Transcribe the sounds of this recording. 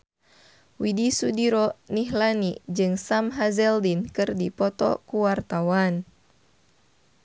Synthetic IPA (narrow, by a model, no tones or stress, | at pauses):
widisudiɾɔniɦlanid͡ʒɨŋsamɦazɛldinkɨrdipɔt̪ɔ̰kuwart̪awan